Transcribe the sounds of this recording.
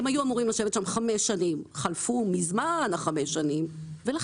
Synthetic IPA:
emajuamuʁimlaʃevet̪ʃamχameʃanimχalfumizmanaχameʃanim | vela

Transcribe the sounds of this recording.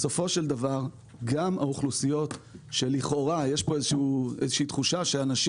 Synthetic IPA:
so̞fo̞ʃeld̪avaʁ | ɡamaoχlusijo̞tʃeliχo̞ʁajeʃpo̞ezeʃuuezeʃiːt̪χuʃaʃeanaʃi

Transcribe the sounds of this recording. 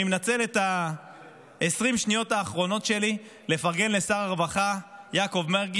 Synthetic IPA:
imenat͡se̞le̞t̪a | esʁimʃnijo̞taːχʁo̞no̞tʃe̞li | le̞faʁɡe̞nle̞saʁaʁvaχajako̞vmeʁɡ

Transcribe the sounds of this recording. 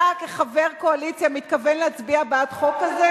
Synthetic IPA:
akeχaveʁkoalit͡sjamit̪kavenleat͡sbiabat̪χo̞kːaze

